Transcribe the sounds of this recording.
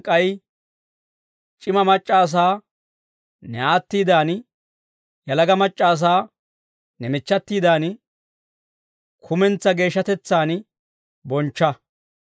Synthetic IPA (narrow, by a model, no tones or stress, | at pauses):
kʼɐj | t͡ʃʼɪmɐmɐt͡ʃʼːaːs̬aː | nɛaːt̪ːiːd̪aːn | jɐlɐɡɐmɐt͡ʃʼːaːs̬aː | nɛmɪt͡ʃːɐt̪ːiːd̪aːn | kʰʊmɛnt͡sːɐɡe̞ːʃːɐt̪ɛt͡sːaːn | bɔnt͡ʃːɐ